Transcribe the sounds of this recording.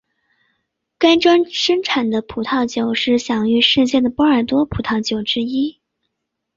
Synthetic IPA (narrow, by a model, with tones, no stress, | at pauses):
ka˥ɪʈ͡ʂwa˥nʂə˥ŋʈ͡ʂʰa˨˩nd̪ə˦pʰu˨˩t̪ʰɑ˥˩ʊt͡ɕjo˨˩˦ʊʂɻ̩˥˩ɕjɑ˨˩ŋy˥˧ʂɻ̩˥˧t͡ɕjɛ˥˩nd̪ə˩pɔ˥ə˞˨˩t̪wɔ˥pʰu˨˩t̪ʰɑ˥˩ʊt͡ɕjo˨˩ʊʈ͡ʂɻ̩˥i˥